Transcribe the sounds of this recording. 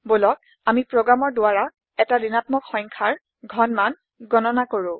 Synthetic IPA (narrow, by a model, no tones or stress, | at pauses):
bolɔk̚ | amipɹɔɡɹamɔɹdʊwaɹa | ɛtadinatmɔkxɔjŋkʰaɹ | ɡʱɔnman | ɡɔnɔnakoɹʊ̃